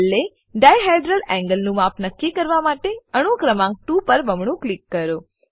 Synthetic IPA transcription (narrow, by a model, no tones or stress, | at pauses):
lːe | ɖajɦaɖɾəlɛ̃ŋɡəlnũmapʰnəkːikəɾʋamaʈeəɽ̃ukɾəmãŋk̚ʈupəɾbəmɳũklikːəɾo